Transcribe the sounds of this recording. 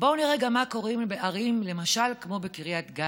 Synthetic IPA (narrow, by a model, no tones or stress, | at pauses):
bouniʁeɡamːako̞ʁimbeʔaʁimle̞maʃalkmo̞bekiʁjat̪ɡa